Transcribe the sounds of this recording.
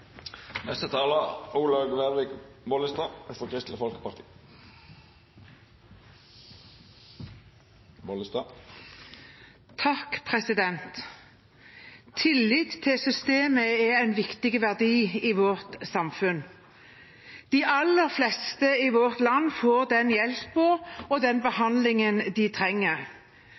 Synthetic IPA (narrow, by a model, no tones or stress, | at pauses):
nɛst̪ət̪ʰɑːləuːlɑɡʋɛʁʋɪɡbɔːlɪst̪ɑːfɔkʰʁɪst̪ləfɔlkə̥pɑʁt̪ʰi̥ː | bolɪst̪ɑ | t̪ʰɑkpʰʁɛsɪd̪ɛnt̪ | ɪlːɪt̪t̪ʰːɪlsʏst̪eːməɛɛnʋɪkt̪ɪɡəʋæʁd̪iːiʋɔʁt̪sɑmfʉn | d̪̥ɪʔɑlːəʁflɛst̪əiʋɔʁt̪lɑnːfoːʁd̪ɛnjɛlpəɾɔd̪ɛnbəhɑnd̪lɪŋənd̪ɪt̪ʰʁɛŋːəʁ